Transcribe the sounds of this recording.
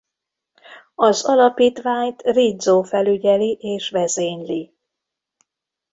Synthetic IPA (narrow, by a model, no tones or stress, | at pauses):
ɒzɒlɒpiːt̪ʋaːɲt̪rid̪zoːfɛlyɟɛliʔeːʃʋɛzeːɲli